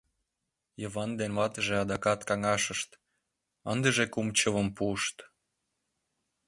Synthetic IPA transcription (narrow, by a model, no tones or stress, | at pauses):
jəβɑnd̪enβɑt̪əʒeɑd̪ɑkɑt̪kɑŋɑʃə̆ʃt̪ | ənd̪ə̆ʒekumt͡ɕəβə̆mpuəʃt̪